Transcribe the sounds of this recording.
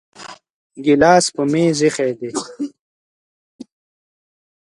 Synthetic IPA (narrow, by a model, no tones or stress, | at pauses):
ɡilaːspumeːzixed̪e